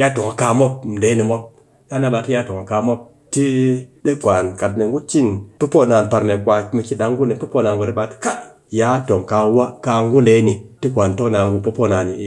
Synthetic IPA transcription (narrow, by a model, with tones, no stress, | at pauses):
ja˦to˨ŋa˨ka˧mo˦p̚m̩˨de˨˦ni˨mo˦p̚ | ja˦na˦ɓa˨ti˦ja˦to˨ŋa˨ka˨mo˦p̚ | ti˦ɗe˦kʷa˨nka˨t̚ne˨ŋɡu˦t͡ʃi˦npu˦po˦˨na˨npa˨ɾne˨kʷa˨˦mi˨ki˨da˨˦ŋɡu˦ne˨pu˦po˦˨na˨nɡu˨ɾi˦ɓa˨ti̥˦ka˦ | ja˦to˨ŋka˨˦wa˦ka˧ŋɡu˦nde˨˦ni˨ti˦kʷa˨nto˦kna˨n˨ɡu˨po˦po˦˨na˨ni˨˦